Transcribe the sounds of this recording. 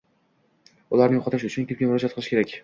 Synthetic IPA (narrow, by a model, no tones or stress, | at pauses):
ʊlaɾnɪjʊqʰɒt̪ʰɪʃʊt͡ʃʰʊnkʲep̚kʲamʊɾɒd͡ʒat̪̚qɨlˠɪʃkʲeɾakʲ